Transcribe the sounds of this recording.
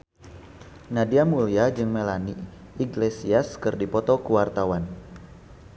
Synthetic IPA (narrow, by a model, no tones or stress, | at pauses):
nadiamuliad͡ʒɨŋmelani | iɡlesiaskɨrdipɔt̪ɔkuwart̪awan